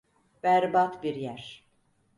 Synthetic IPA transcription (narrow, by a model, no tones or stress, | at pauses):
b̥æɾbat̪biɾjæɾ̥